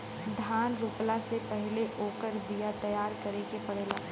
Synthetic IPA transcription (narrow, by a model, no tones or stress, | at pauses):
d̪ʱaːnɾuːplasepɛɦɪleʔoːkəɾd̪ijat̪ɐjaːɾkɐɾekepɐɽeːlaː